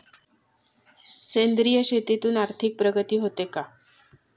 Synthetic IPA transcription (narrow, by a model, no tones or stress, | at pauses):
send̪ɾijəɕet̪it̪uːnaɾt̪ʰik̚pɾəɡət̪iːɦot̪eka